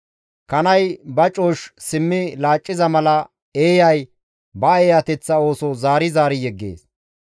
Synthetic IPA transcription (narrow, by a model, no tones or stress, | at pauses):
kɐnɐjbɐt͡ʃʼoːʃsɪmːɪlaːt͡ʃʼːɪzɐmɐlɐ | eːjɐj | bɐeːjɐt̪ɛt͡sːɐo̞ːsɔzaːɾɪzaːɾɪjɛɡːḛːs